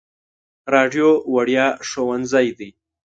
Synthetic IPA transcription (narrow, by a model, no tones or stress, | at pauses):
ɾɑɖjowaɽjɑʂowanzɑjd̪i